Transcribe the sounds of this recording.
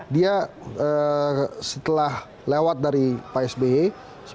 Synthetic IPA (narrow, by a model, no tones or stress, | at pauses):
dia | ə | sət̪əlah | lewat̪̚daɾipaɛsbee | s